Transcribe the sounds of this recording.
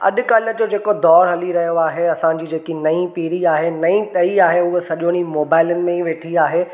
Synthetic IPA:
ɐ̰ɗʊ̆kɐləd͡ʑod͡ʑeːkod̪ɔːɾɦɐliɾɐɦijoaːɦeɐsãd͡ʑiːd͡ʑeːkinɐĩpiːɽiaːɦenɐĩʈɐiaːɦeʊɦesɐʄõñimoːbaːɪlənɪ̆mẽĩʋeːʈʰiaːɦeː

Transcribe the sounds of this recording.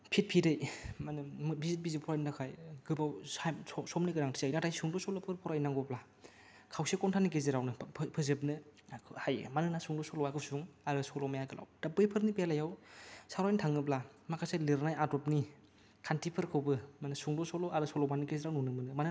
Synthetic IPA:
pʰit̚pʰidɯjmanɯmbizit̚bizipʰɔɾajndakʰajɡɯbawsaɔsɔmniɡɯɾaŋtʰizajnatʰajsuŋdɔsɔlɔpʰɯɾpʰɔɾajnaŋɡɔpla | kʰawsekɔntʰanik̬ezeɾawnɯpʰɯzɯp̬nɯkʰhajḛmanɯnasuŋdɔsɔlɔwakʰɯsuŋaɾɯsɔlɔmajakɯlʔa̰wd̥apːɯjpʰɯɾnipejalajawsawɾajntʰaŋɯpla | makʰasalɯɾnajadɔpni | kʰantipʰɯɾkʰɯwbɯmanɯsuŋdɔsɔlɔaɾɯsɔlɔmanɯkezeɾawnunɯmɯnɯmanɯ

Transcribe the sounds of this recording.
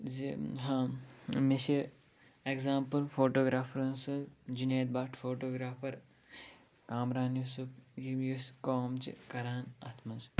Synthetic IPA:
ziɦãːmiʃe | eɡzaːmpɐlfʰoːʈoːɡɾaːfɐɾɐnsud͡ʒineːt̪̚baːʈfoːʈoːɡɾaːfɐɾ | kaːmɾaːnjusupɡijuskoːmt͡ʃḭkɐɾaːnɐ̰t̪ʰmɐns

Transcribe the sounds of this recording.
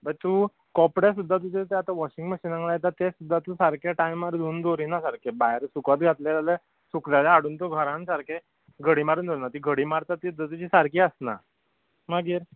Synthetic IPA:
bət̪uː | kɔpɽesud̪ʱːat̪̬ud͡ʑet̪eat̪aʋɔɕĩŋɡməɕiːnãŋɡlajet̪at̪esud̪ʱːat̪usaɾkʰaʈaimaɾd̪uːnd̪oɾinasaɾkʰebajɾsukat̪ɡʱat̪let̪ale | suklaleaɽuːnt̪oɡʱəɾãnsaɾke | ɡʱəɽiːmaɾuːnd̪oɾinat̪iːɡʱəɽiːmaɾt̪at̪ːiud̪ʱat̪ut͡ɕisaɾkiəsna̰ | maɡiːɾ

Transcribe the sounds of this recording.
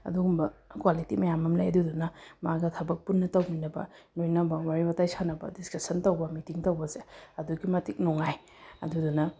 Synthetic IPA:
ɐ̰duɡumbɐkwalitḭmɐjamɐmla̰jɐdudunɐmaɡɐtʰɐbɐk̚punːɐtɐwminɐbɐ̰lojnɐbɐwaɾiwɐtajsʰanɐbɐ̰diskɐsɐntɐwbɐmitiŋtɐwbɐseɐduɡimɐtik̚nuŋaj | ɐ̰dudunɐ

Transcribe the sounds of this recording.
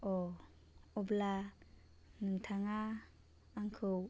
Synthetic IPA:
o | ɔbla | nɯŋtʰaŋaː | ŋkʰɯw

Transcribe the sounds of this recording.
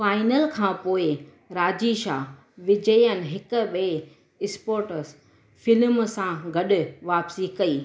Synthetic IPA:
faːɪnəlkʰãːpoːɪ | ɾaːd͡ʑiʃaːɦ | ʋɪd͡ʑəjənɪ̆ɦɪkʊ̆ɓe | ɪspoːɾʈəs | fɪlmsãɡɐɗʊ̆ʋaːpsikɐiː

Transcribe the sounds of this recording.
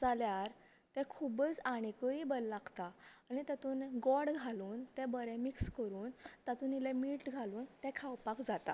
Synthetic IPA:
d͡zaljaɾ | t̪ɛ̃kʰubət͡saɽ̃ikəibəlːaɡt̪aːñit̪at̪uːnɡɔɽɡʱaluːnt̪ɛ̃bəɾɛ̃mikskəɾuːnt̪at̪uːnilɛmiːʈɡʱaluːnt̪ɛ̃kʰawpakd͡zat̪a̰

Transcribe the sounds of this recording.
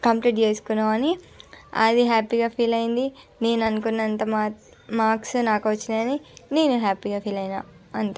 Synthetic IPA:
kɐmpɾeɖd͡ʒeːskunaːɐni | ɐ̰d̪iɦaːpiːɡaːpʰiːlɐjind̪ine̞ːnɐnukunːɐnt̪ɐma | maːksunaːkuʋɐt͡ʃːinɐnine̞ːnuɦaːpiːɡaːpʰiːlɐjnaː | ɐnt̪a

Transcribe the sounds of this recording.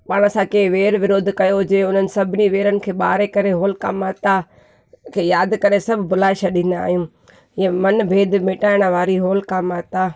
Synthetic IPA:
paːɽ̃əsãkeːʋeːɾʋɪɾoːd̪ʱkɐjod͡ʑeːʊnənɪ̆sɐbʱɪniʋeːɾənɪ̆kʰeːɓa̰ːɾekɐɾeɦoːlkaːmaːt̪a | kʰeːjaːd̪kɐɾesɐbʱbʊlaːɪʃɐɗĩːnd̪a̰ːɦijũː | ɛ̃mɐnbʱeːd̪mɪːʈaːɪɽ̃ʋaːɾiɦoːlkaːmaːt̪aː

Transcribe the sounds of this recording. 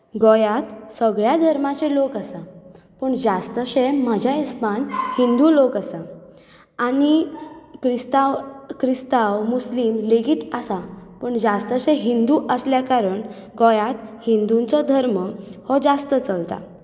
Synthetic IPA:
ɡɔjat̪səɡɭjad̪ʱəɾmat͡ɕelokəsa | pəɳd͡zast̪əɕem̤ad͡ʑʱjaispanhind̪ulokəsa | añikɾist̪awkɾist̪awmuslimleɡiːt̪əsapəɳd͡zast̪əɕẽɦind̪uʔəsljakaɾəɳ | ɡɔjat̪hind̪unt͡sɔd̪ʱəɾməhɔd͡zast̪ət͡səlt̪a̰

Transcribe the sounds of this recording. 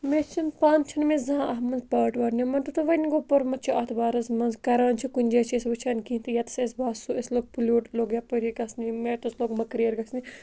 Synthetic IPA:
met͡ʃʰinpaːnt͡ʃʰinmezɐãʔɐɦmɐnzpaːʈʋɐɾnʲimɐnt̪ɐt̪uʋɐniɡoːpɐɾmɐt͡ʃʰiɐt̪ʰbaːɾɐzmɐnzkɐɾaːnt͡ʃʰikunʲd͡ʒeːt͡ʃʰisbɐt͡ʃʰaːnkiːnt̪ijɐt̪sesbaːsuɐsloːɡ̚pulʲuːʈloːɡjapɨɾʲiɡɐsnimet̪ɐsloːɡmɐkɾijɐɾɡɐsni

